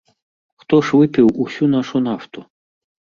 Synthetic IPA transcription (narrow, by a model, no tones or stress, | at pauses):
xt̪ɔʂvɨpʲiwusʲunaʂunaft̪u